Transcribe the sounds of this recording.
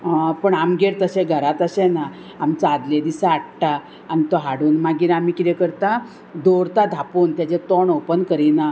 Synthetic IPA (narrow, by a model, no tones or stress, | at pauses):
pəɳamɡeɽt̪əɕẽɡʱəɾat̪əɕena | amt͡sːd̪led̪isaːɽʈa | anit̪oɦaɽuːnmaɡiːɾamikiɾekəɾt̪a | d̪oɾt̪ad̪ʱapuːnt̪jad͡ʑet̪oɳɔwpənkəɾina